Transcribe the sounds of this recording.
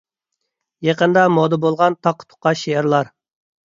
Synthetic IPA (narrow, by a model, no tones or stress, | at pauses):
jɑqənd̪ɑmod̪əbolˠʁɑnt̪ʰɑqʰːə̥t̪ʰʊ̥qːɑʃeːɾlˠɑɾ